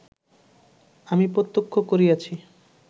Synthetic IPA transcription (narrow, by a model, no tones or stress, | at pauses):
amipɾot̪ːokʰːokoɾiat͡ɕʰi